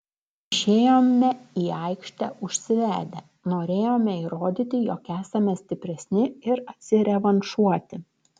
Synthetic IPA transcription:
ɪʃʲeːjoːmnʲɛiːɐɪkʃʲt̪ʲɛʊʃʲsʲɪʋʲæːd̪ʲɛ | noːɾʲeːjoːmʲɛiɾoːd̪ʲiːt̪ʲɪjoːkæːsɐmʲɛsʲt̪ʲɪpʲɾʲɛsʲnʲɪɪɾɐt̪ʲsʲɪɾʲɛʋɐnʃuɔt̪ʲɪ

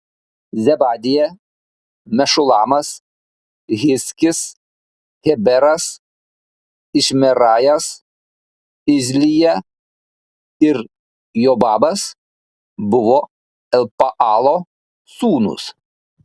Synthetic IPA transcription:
zʲɛbɑːd̪ʲɪjɛ | mʲɛʃʊlˠɑːmɐs | ɣʲɪsʲkʲɪs | ɣʲɛbʲɛɾɐs | ɪʃʲmʲɛɾɑːjɐs | ɪzʲlʲɪjɛ | ɪɾ | joːbɑːbɐs | bʊʋoː | ɛlpɐʔɑːlˠo | suːnʊ̰s

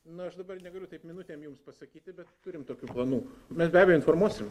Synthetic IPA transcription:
nʊɐʃd̪ɐbɐrnʲɛɡɐlʲʊt̪ɐɪpmʲɪnʊt̪ʲeːmjumspɐsɐkʲiːt̪ʲɪbʲɛt̪t̪ʊɾʲɪmt̪oːkʲuːplˠɐnuːmʲɛsbʲæːbʲɛjoʊɪnfoːrmuɔsʲɪm

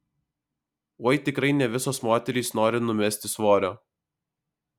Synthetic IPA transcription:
uɔjt̪ʲɪkɾɐɪnʲɛʋʲɪsoːsmoːt̪ʲɛɾʲiːsnoːɾʲɪnʊmʲɛsʲt̪ʲɪsʋoːɾʲoː

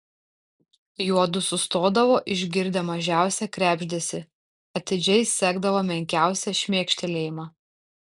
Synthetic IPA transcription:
juɔd̪ʊsʊst̪oːd̪ɐʋoːʔɪʒʲɡʲɪɾʲd̪ʲɛmɐʒʲæˑʊsʲɛkɾʲæːbʲʒʲd̪ʲeːsʲɪ | ɐt̪ʲɪd͡ʒʲɛɪsʲæːɡd̪ɐʋoːmʲɛŋʲkʲæˑʊsʲɛʃʲmʲeːkʃʲt̪ʲɛlʲeːjɪmɑ

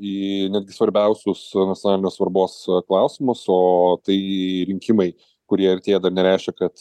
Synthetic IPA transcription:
iːnʲæːd̪ʲɡʲɪsʋɐɾʲbʲɛˑʊsʲʊsnɐt̪ʲjonɑːlʲɪnʲoːsʋɐɾboːsklˠɑˑʊsʲɪmʊsoːt̪ɐɪɾʲɪŋʲkʲɪmɐɪ | kʊɾʲiɛɐrʲt̪ʲeːjɛd̪ɐrnʲɛɾʲæˑɪʃʲkʲɛkɐt̪

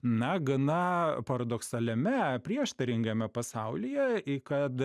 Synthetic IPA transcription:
nɐɡɐnɐpɐɾɐd̪oːksɐlʲɛmʲɛpʲɾʲiɛʃt̪ɐɾʲɪŋɡɐmʲɛpɐsɐʊlʲɪjɛɪkɐt̪

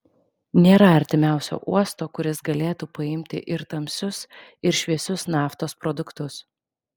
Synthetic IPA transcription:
nʲeːɾɐɐɾʲt̪ʲɪmʲæˑʊsʲo̰ːʔuɔst̪oːkʊɾʲɪsɡɐlʲeːt̪uːpɐɪmʲt̪ʲɪ̰ʔɪɾt̪ɐmʲsʲʊsɪɾʃʲʋʲiɛsʲʊsnɑːft̪oːspɾɔd̪ʊkt̪ʊs

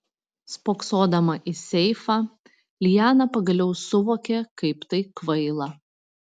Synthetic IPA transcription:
spoːksoːd̪ɐmɐʔɪsʲɛɪfɑː | lʲɪjæːnɐpɐɡɐlʲɛʊsʊʋoːkʲekɐɪpt̪ɐɪkʋɐɪlˠɐ

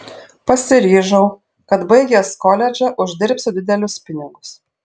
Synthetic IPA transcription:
pɐsʲɪɾʲiːʒɐʊ | kɐt̪bɐɪɡʲɛskɔlʲɛd͡ʒʲɛʔʊʒʲd̪ʲɪɾʲpʲsʲʊd̪ʲɪd̪ʲɛlʲʊspʲɪnʲɪɡʊs

